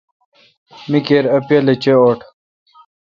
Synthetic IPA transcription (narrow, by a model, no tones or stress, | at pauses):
mikeːɾɐpjɐlɐt͡ɕeoːʈ